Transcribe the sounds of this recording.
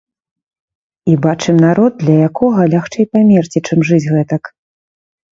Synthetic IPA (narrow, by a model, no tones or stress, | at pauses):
ibat͡ʂɨmnaɾɔd̪̚ːlʲɐjakɔɣɐlʲaxt͡ʂɛjpamʲɛrt͡sʲit͡ʂɨmʐɨd͡zʲɣɛt̪ɐk